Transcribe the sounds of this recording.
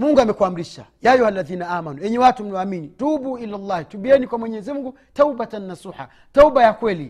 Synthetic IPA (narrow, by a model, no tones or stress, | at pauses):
muŋɡuamɛkuam̩ɾiʃa̰jaːjuhalːaðiːnaʔaːmanuwjɛɲɛwatum̩nawaːminitubuʔilalːɑːhtuɓiɛnikwamwɛɲɛzimuŋɡu | taubatanːasuːħa̰ | taubajakwɛli